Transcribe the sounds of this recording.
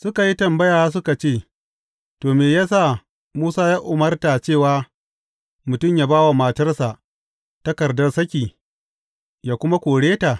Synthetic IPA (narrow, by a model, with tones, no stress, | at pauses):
sʊ˦ka˨ji˦tɐ˨mbɐ˦jaː˨wa˦s̬ʊ˦ka˨t͡ʃeː˦˨ | toː˨meː˨ja˦saː˦˨ | muː˦saː˦jaː˦ʔʊ˨mɐ˦rta˨t͡ʃeː˦˨waː˦ | mʊ˨tʊ˦˨mjaː˦baː˦wa˨ma˨tɐ˦rsa˨ʔ | tɐ˦kɐ˨rdɐ˦rsɐ˦kʲiː˨ | jaː˨kʷʊ˦ma˦kʷoː˨ɽeː˦ta˨